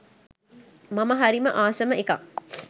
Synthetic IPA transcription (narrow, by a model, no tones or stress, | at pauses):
mamɐɦaɾiməʔaːsɐməeka̰ŋ